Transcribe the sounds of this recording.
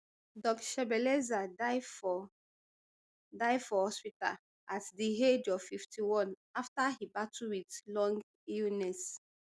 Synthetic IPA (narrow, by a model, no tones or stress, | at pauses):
dɔkʃɛbɛlɛzad | daɪdfɔhɔspita̰ | ʔatdiɦed͡ʒɔv̥fiftʰiwɔ̃n | aftahibatʰuwitlɔ̃ŋɡ | ilnɛs